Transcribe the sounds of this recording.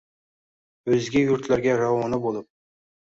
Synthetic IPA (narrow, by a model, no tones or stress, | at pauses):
ɵzɡʲɪjʊɾt̪laɾɡʲaɾawɒnɪbolˠɪp̚